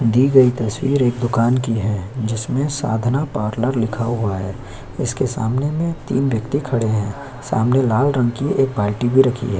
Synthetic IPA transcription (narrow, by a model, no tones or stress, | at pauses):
d̪iːɡɐit̪ɐswiːɾeːk̚d̪ʊkaːnkiɦɛːd͡ʒɪsmẽsa̰ːd̪ʱnapaːɾləɾlɪkʰaɦuaɦɛː | ɪskesa̰ːmnemẽt̪ḭːnʋjɐkt̪ikʰɐɽeɦɛ̃ː | sa̰ːmnelaːlɾɐ̃ŋɡkieːk̚baːlʈibʱiɾɐkʰḭɦɛː